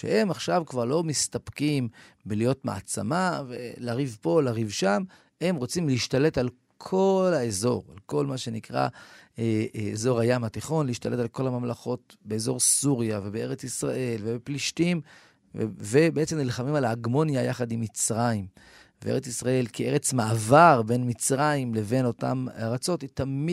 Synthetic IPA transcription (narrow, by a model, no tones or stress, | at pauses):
ʃḛhe̞maχʃavkvaʁlo̞mist̪apkim | belijo̞tma̰a̰t͡sa̰mavḛlaʁivpo̞laʁivʃam | e̞mʁo̞t͡simliiʃt̪ale̞tal | kʰo̞laezo̞̰ʁa̰lko̞lmaʃe̞nikʁa̰eezo̞ʁhajamat̪iχo̞nliiʃtale̞talko̞lhamamlaχo̞t̚be̞ːzo̞ʁsuʁjavebee̞ʁet͡sisʁa̰ʔe̞lvebepliʃtim | vebeet͡se̞mnilχamimalaːɡmo̞njajaχad̪imːit͡sʁaimveḛet͡sisʁae̞lkie̞ʁe̞t͡smaːvaʁbe̞nmit͡sʁaimle̞ve̞no̞ta̰maʁat͡so̞tit̪ami